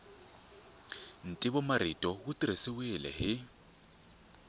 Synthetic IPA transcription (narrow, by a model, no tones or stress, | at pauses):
n̩tʼɪbɔmaɾitʼɔɣʊtʼiɾisɪwɪlɛ̰hɪ